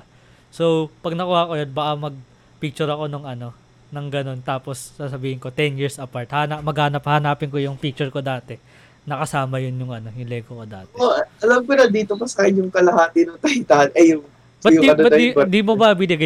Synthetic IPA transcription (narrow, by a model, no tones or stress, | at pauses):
sowpɐɡ̚nɐkʊhakojɐnbɐʔamɐɡ̚ | pik̚t͡ʃʊɾɐko̞noŋʔɐno̞ | nɐŋɡɐno̞nt̪aːposːaːsɐbiːhɪŋko̞t̪ɛnjiɹsʔɐpaɹt̪̚hanamɐɡhaːnɐphahnaːpɪŋko̞jʊŋpik̚t͡ʃʊɹko̞d̪aːt̪ɛ | nɐkɐsaːmɐjʊnjʊŋʔɐno̞jʊŋlɛːɡokod̪a̰ːt̪oʔɐlɐmkonɐd̪iːt̪omɐsɐkajɪnjʊŋkɐlɐhaːt̪ɪnʊŋt̪ɐhɪt̪aːnɐjʊŋ | bɐʊbɐd̪ind̪imobɐɐbinɪɡa